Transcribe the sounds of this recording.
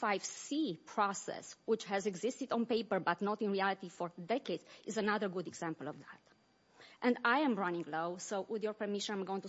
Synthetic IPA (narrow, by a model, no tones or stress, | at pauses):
fajv̥sipʰɹɔsɛ̰swɪt͡ʃhɛzɛɡzɪst̪id̪ɔ̃npeɪpəɹbat̪nɔt̪ĩnɹiælit̪ifɔɹd̪ɛkedzizənaðəɹɡud̪ɛɡz̥æ̃mpəlɔvðæt̪ | ʔɛ̃nd̪ajɛ̃mɹanĩŋɡloʊsowwɪðjɔɹpəɹmiʃə̃nãmɡoʊĩŋtu